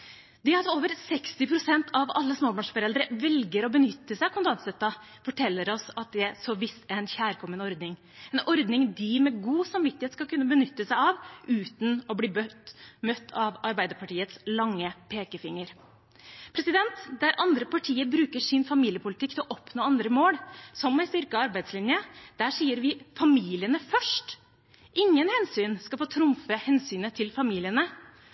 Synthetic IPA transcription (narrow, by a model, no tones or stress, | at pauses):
d̪ɛɑt̪oːʋəɾsɛkst̪ɪpʰɾʊsɛnt̪ʰɑʋɑ̰lːəsmoːbɑɳʂfɔɾɛld̪əɾəʋɛlɡəɾɔbənʏt̪ːəsæɪkʰʊnd̪ɑnsɛt̪ːɑ | fɔʈʰɛlːəɾɔsɑt̪̚d̪ɛsɔʋɪst̪æɾɛnçæːɾkʰɔmːənɔɾd̪nɪŋ | ɛnɔɾd̪nɪŋd̪ɪmɛɡuːsɑmʋɪt̪ːɪhet̪skɑlkʉnːəbənʏt̪ːəsæɪɑʋʉːt̪n̩ɔbliːbœmœt̪ʰːɑʋɑɾbæɪd̪əɾpʰɑʈiːət̪slɑŋːəpʰeːkəfɪŋːəɾ | pʰɾɛsɪd̪ɛnt̪d̪æɾʔɑnd̪ɾəpʰɑʈʰiːəbɾʉːkəʂɪnfɑmiːlɪəpʊlɪt̪ɪkt̪ʰɪlɔʔɔpnoːɑnd̪ɾəmoːɽsɔmːæɪst̪ʏɾkəɑɾbæɪd̪slɪnjəd̪̥æʂiːəɾʋɪfɑmiːlɪənəfœʂʈ | ʔɪŋːənhɛnsyːnskɑlfoːt̪ʰɾʊmfəhɛnsyːnət̪ʰɪlfɑmiːlɪənə